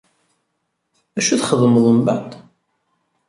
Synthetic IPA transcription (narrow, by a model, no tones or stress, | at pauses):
æʃuθχəðməðˤəmbæ̰t̪